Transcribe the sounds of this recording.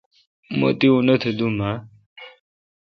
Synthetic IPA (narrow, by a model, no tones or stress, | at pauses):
mo̰t̪iunət̪ʰəd̪uma